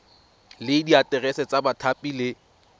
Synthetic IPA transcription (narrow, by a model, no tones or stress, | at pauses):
lɪdiatʼɛrɛsɛt͡sabatʰapʼilɪ